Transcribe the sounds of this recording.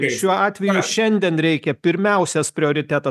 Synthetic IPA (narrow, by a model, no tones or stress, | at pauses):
ʃʲuɔɑːt̪ʲʋʲɛjʊʃʲɛnʲd̪ʲiɛnɾʲɛɪkʲɛpʲɪɾʲmʲɛˑʊsʲɛspʲɾʲɪoːɾʲɪt̪ʲæːt̪ɐ